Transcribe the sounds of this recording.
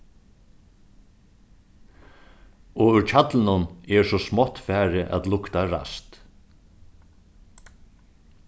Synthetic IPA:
ɔʏɾt͡ʃʰat̪lɪnʊnɛɹsɔsmɔt̪ːfæːɾɪʔa̰t̪lʊkt̪aɾa̰st̪

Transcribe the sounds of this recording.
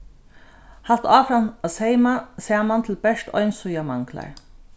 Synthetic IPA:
hal̥t̪aːfɾanasɛɪmasɛːmant̪ʰɪlbɛʂt̪ɔ̰ʏnsʊjamaŋkla̰ɹ

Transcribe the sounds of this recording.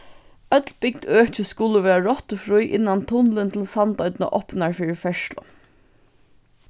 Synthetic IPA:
œd̪lbɪɡd̪øːçəskʊləʋeːɹəɹɔt̪əfɹʉʏʔɪnɑnt̪ʰʊnlənt̪ʰɪl̩sɑnd̪ɑʏd̪nə̰ʔɔpnɑɹfyːɹfɛʃlɔ̰

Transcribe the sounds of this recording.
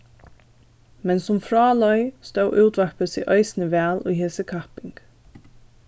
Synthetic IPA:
mɛnsʊmfɾɑːlɔjst̪œwʔuːt̪ʋahpəsḭʔœjsɪnəʋæːlṵjheːsəkʰahpɪŋk

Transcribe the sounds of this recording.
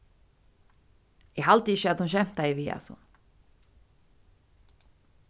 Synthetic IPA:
ɛɦalt̪ɪɪçːəat̪hunɕ̬ɛm̥t̪aɪviːa̰sɔ̰

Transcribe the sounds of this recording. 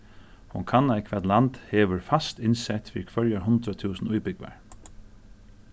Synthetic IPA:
hʊŋkʰanːajkʰʋɛt̪lant̪heːʋəɹfast̪ɪnsɛt̪fiːɾkʰʋœɹjaɦʊnt̪ɾat̪ʰʉːsnʊjbʏkʋa̰ɹ

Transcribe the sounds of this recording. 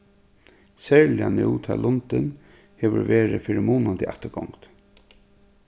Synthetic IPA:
sɛːɹlɪanuːt̪ʰɑːlʔʊnt̪ɪn | hɛːʋə̰ɹʋeːɾɪfɪɾɪmuːnʊnt̪ʰɪaht̪əɡɔŋkt̪

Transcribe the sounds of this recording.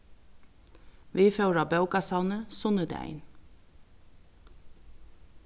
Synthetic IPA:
ʋiːfœɾɑːbœʉkɑsɑlnəsʊnəd̪ḛʔæ̰ɪn

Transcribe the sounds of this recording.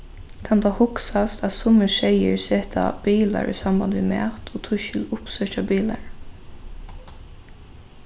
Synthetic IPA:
kʰant̪ʰɑːhʊksast̪æt̪sʊməʃɛjə̰ɹseːt̪ʰa̰b̥iːla̰ɹḭsamband̪ʋimæ̰ːt̪ʰot̪ʰʊʃɪlʊpsœt͡ʃabiːlaɹ

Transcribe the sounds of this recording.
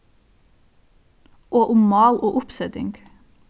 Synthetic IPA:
ʔoːʔʊmmɑːlʔoːʔʊpsɛd̪ɪ̰ŋɡ

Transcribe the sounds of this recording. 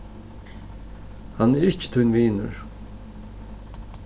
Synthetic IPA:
hanːɛɾɪht͡ʃːɪ̥t̪ʰʊjnviːnʊ̰ɹ

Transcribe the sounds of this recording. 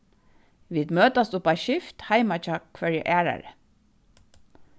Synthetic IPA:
ʋiːd̪møːt̪ɑst̪ʊpɑʃɪft̪hæɪmɑt͡ʃɑkʰfœɹjə̰ʔæːɹɑ̰ɹə̰

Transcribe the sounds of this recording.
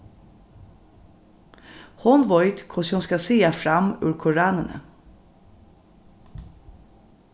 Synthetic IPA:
hɔnʋɔʏt̪kʰɔshʊnskɑsiːɑfɾɑmʉ̰ːɹkʰʊɹɑːnənə̰

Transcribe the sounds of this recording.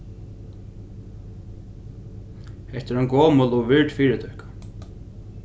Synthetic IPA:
hɛht̪ɪɾanɡɔːmʊlɔʋɪɹt̪fiːɾɪt̪ʰœhkḁ

